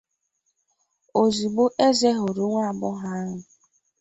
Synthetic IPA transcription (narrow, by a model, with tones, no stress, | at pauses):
o˨zi˨ɡ͡bo˦ʔe˦ze˦ɦʊ˨ɾʊ˨ŋʷa˦a˨bʊ˦ɦa˦ɦʊ˨